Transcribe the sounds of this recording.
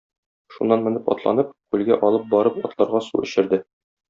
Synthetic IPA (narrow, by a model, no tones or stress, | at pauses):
ʃunːɑnmɘ̆nɘpɒ̰t̪lˠɑ̰nɤp̚kʉlɡæʔɒlˠɤp̚bɒɾɤpɒt̪lˠɑɾʁɑsṵɵ̆ɕɘ̆ɾd̪ɘ